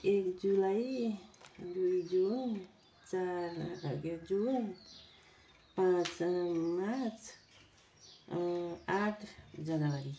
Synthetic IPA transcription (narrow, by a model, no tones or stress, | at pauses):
ekd͡ʒulaj | d̪uid͡ʒun | t͡ʃaɾ̰ɡed͡ʒun | pãt͡ʃmat͡ʃʰ | aʈʰd͡ʒanawaɾi